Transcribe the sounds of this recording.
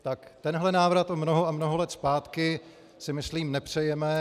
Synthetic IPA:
t̪akt̪ɛnɦlɛnaːvɾat̪omnoɦoamnoɦolɛt̪spaːt̪kɪ | sɪmɪsliːmnɛpr̝̥ɛjɛmɛ

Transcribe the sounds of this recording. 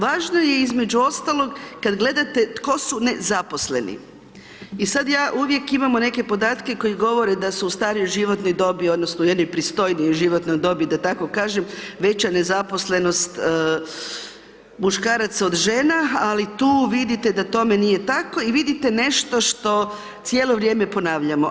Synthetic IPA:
ʋaːʒno̞je̞izme̞d͡ʑuo̞st̪alˠo̞ɡkad̪ɡle̞d̪at̪e̞t̪ko̞sune̞zaposle̞nḭ | isad̪jaːʔuʋje̞kimamone̞ke̞po̞d̪aːt̪ke̞ko̞jiɡo̞ʋo̞ɾed̪asuust̪aːɾiojʒiʋo̞t̪nojd̪o̞bio̞d̪nosnoujed̪nojpɾist̪o̞jniojʒiʋo̞t̪nojd̪o̞bid̪at̪ako̞kaːʒemʋe̞t͡ɕane̞zapo̞sle̞no̞st̪ː | muʃkaːɾat̪sao̞d̪ʒenaalit̪uːʋid̪it̪ed̪at̪o̞me̞nije̞t̪ako̞iʋid̪it̪e̞ne̞ʃt̪o̞ʃt̪o̞ | t̪sʲjeːlˠo̞ʋɾʲje̞ːme̞po̞naːʋʎamo

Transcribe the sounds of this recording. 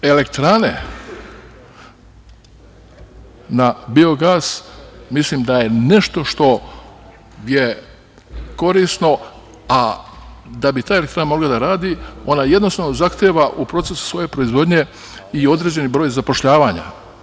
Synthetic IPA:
e̞lek̚t̪ɾane̞ | nabio̞ɡaːsmisliːmd̪aje̞ne̞ʃt̪o̞ʃt̪o̞ | je | ko̞ɾisno̞ | a | d̪abit̪aːjelekt̪ɾaːnamo̞ɡlad̪aɾaːd̪io̞najed̪nosaʋnozaxt̪eːʋaʔupɾo̞t̪se̞su̥sʋo̞je̞pɾo̞izʋo̞d̪ɲe̞ | io̞d̪ɾe̞ːd͡ʑe̞nibɾo̞ːjzapo̞ʃʎaːʋaɲa̰

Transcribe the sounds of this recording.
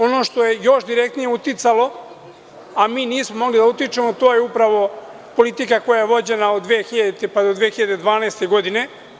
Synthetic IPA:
o̞no̞ʃt̪o̞je̞jo̞ʃd̪iɾek̚t̪nijeut̪it̪salo̞ | amiːniːsmomo̞ɡlid̪aut̪it͡ʃe̞mo̞t̪o̞ːjeupɾaʋo̞ | po̞lit̪ikako̞jajeʋo̞d͡ʑe̞naod̪ʋeːxiʎad̪et̪epad̪od̪ʋeːxiʎad̪ed̪ʋaːnaest̪e̞ɡo̞d̪ine̞

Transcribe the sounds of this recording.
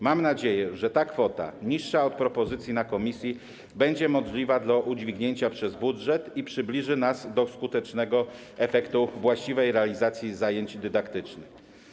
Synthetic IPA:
mamnad͡ʑejɛʐɛt̪akfɔt̪a̰ɲiʂːaɔt̪̚pɾɔpɔzɘt̪sʲjinakɔmʲisʲji | bɛɲd͡ʑɛmɔʐlʲivad̪laʔud͡ʑvʲiɡɲeɲt͡ɕapʂɛzbudʐɛt̪ipʂɘblʲiʐɘnazd̪ɔskut̪ɛt͡ʂnɛɡɔɛfɛkt̪uvwaɕt͡ɕivɛjɾɛalʲizat̪sʲjizajeɲt͡ɕd̪ɘd̪akt̪ɘt͡ʂnɘx

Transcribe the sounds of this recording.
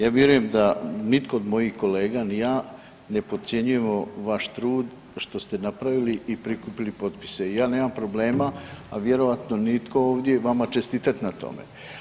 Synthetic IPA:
jaːʋje̞ɾuje̞md̪anit̪ko̞od̪mo̞jixko̞le̞ːɡanijaː | ne̞po̞t̪sʲje̞ɲuje̞moʋaʃt̪ɾuːd̪ | ʃt̪o̞st̪e̞napɾaʋiliʔipɾikupilipo̞t̪pi̥se̞ijaːne̞ːmampɾo̞ble̞ːmaaʋje̞ɾo̞ʋat̪no̞nit̪ko̞oːʋd̪je̞ʋamat͡ʃe̞st̪it̪at̪ʲnat̪o̞̰mḛ

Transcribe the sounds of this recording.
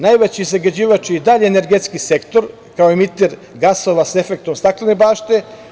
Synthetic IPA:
najʋet͡ɕiːzaɡad͡ʑiːʋat͡ʃiːd̪aʎeːneɾɡet̪skise̞kt̪o̞ɾ | kaoimit̪eɾ | ɡaso̞ʋasefek̚t̪o̞mst̪aklenebaːʃt̪e

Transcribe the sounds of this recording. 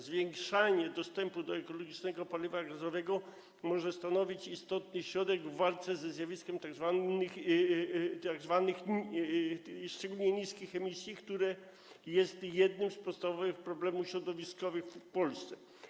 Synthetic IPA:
zvʲjɛŋkʂaɲɛd̪ɔst̪ɛmpud̪ɔɛkɔlɔɡʲit͡ʂnɛɡɔpalʲivaɡazɔvɛɡɔ | mɔʐɛst̪anɔvʲit͡ɕist̪ɔt̪nɘɕɾɔd̪ɛɡvːalt̪sɛzɛzʲjavʲiskʲɛmt̪aɡzvax | t̪aɡzvanɘx | ʂt͡ʂɛɡulɲɛɲiskʲixɛmʲisʲjikt̪uɾɛ | jɛst̪jɛd̪̚nɘmspɔt̪st̪avɔvɘxpɾɔblɛmufɕɾɔd̪ɔvʲiskɔvɘxfpɔlst̪sɛ

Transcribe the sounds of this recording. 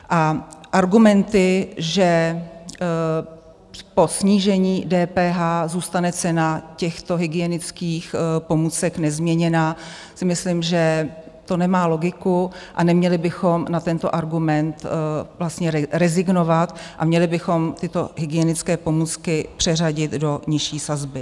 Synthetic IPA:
ʔaʔaɾɡumɛnt̪ɪʒɛ | po̞sɲiːʒɛɲiːdɛːpɛːɦaːzuːst̪anɛt͡sɛnacɛxt̪o̞ɦɪɡɪjɛnɪt͡skiːxpo̞muːt͡sɛknɛzmɲɛɲɛnaː | sɪmɪslimʒɛ | t̪o̞nɛmaːlo̞ɡɪkuʔanɛmɲɛlɪbɪxo̞mnat̪ɛnt̪o̞ʔaɾɡumɛnt̪vlast̪ɲɛɾɛzɪɡno̞vat̪ʔamɲɛlɪbɪxo̞mt̪ɪt̪o̞ɦɪɡɪjɛnɪt͡skɛːpo̞muːt͡skɪpr̝̥ɛr̝aɟɪt̪do̞ɲɪʃiːsazbɪ

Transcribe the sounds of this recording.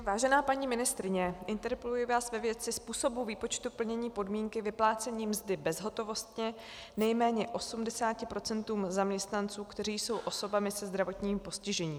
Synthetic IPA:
vaːʒɛnaːpaɲiːmɪnɪst̪ɾɪɲɛʔɪnt̪ɛɾpɛlujɪvaːsvɛvjɛt͡sɪspuːso̞buviːpo̞t͡ʃt̪upl̩ɲɛɲiːpo̞dmiːŋkɪvɪplaːt͡sɛɲiːmzdɪbɛzɦo̞t̪o̞vo̞st̪ɲɛ | nɛjmɛːɲɛʔo̞sumdɛsaːcɪpɾo̞t͡sɛnt̪uːmzamɲɛst̪nant͡suːkt̪ɛriːjso̞wʔo̞so̞bamɪsɛzd̪ɾavo̞t̪ɲiːmpo̞scɪʒɛɲiː

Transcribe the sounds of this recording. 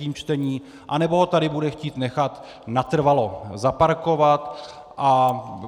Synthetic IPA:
iːmt͡ʃt̪ɛɲiː | ʔanɛboɦot̪adɪbudɛxciːt̪nɛxat̪ | nat̪r̩valozapaɾko̞vat̪ | ʔa

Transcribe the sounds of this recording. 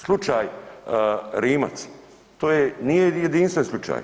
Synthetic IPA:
slˠut͡ʃaːj | ɾiːma̰t̪s | t̪oːjenijejed̪inst̪ʋenslˠut͡ʃa̰ːj

